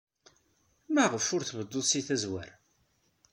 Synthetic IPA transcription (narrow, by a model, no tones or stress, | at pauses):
maʁəfʊɾθβəd̪ːoðˤsiθæzwæ̰ɾ